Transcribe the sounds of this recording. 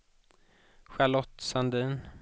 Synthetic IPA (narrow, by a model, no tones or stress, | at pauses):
ɧalɔt̪sand̪iːn